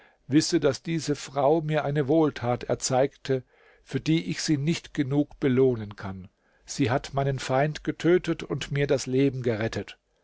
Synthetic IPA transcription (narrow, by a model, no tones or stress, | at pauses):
vɪsədasd̥iːzəfʁ̥aʊmiːɐʔaɪnəvoːltʰaːtɛ̰ɐt͡saɪktʰə | fyːɐdiːʔɪçz̥iːnɪçtɡ̥ənuːkb̥əloːnənkʰan | z̥iːɦatmaɪnənfaɪndɡ̥ətʰøːtətʊntmiːɐdasleːbm̩ɡəʁɛtʰət